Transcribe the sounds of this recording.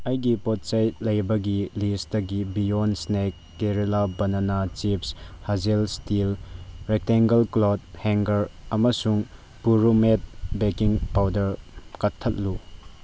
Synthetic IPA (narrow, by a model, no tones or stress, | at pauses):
ɐjɡipɔt̚sɐjt̚lɐjbɐɡilistɐɡibijonsnek̚ːeɾilabɐnɐnat͡ʃipshɐzelstilɾek̚teŋɡɐlklot̚heŋɡɐɾɐmɐsuŋ | puɾumet̚bekiŋpawdɐɾkɐtʰːɐt̚lu